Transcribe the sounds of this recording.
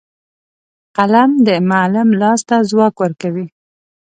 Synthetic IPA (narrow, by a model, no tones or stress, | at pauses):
qalamd̪əmalɪmlɑst̪azwɑkwəɾkawi